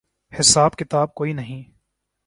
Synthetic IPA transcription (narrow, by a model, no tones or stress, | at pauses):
hɪsaːbkɪt̪aːb̚koːinɐɦĩ